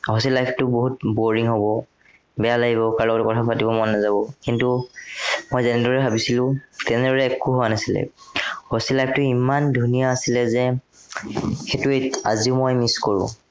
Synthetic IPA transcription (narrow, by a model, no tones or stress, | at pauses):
hɔsilajpʰtʊboɦut̚boɹiŋɦobɔ | bɛjalaɡiβɔkaɹlɔkɔtʊkɔtʰapatibɔmɔnːazabɔkintu | mojzɛnɛdɔɹɛbʱabisilʊ̃tɛnɛdɔɹɛːkuɦowanasilɛ̰hosilajpʰtʊimandʱunijaːsilɛzɛ | xetuea̰ziʊmojmiskoɹʊ̰̃